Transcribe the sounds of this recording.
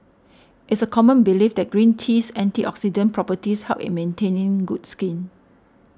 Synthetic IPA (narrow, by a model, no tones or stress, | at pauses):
ʔɪtsəkʰɔmə̃nbilifdɛt̚ɡ̥ɹĩntʰisɛ̃ntiʔɔksid͡ʒə̃npɹɔpətishɛlpḭt̚mẽntʰẽnĩŋɡudskĩn